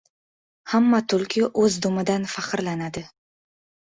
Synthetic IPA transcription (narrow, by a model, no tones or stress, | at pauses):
hamːat̪ʰʊlkʲʰɪʔɵzd̪ʊmɪd̪anfaqɨɾlanad̪ɪ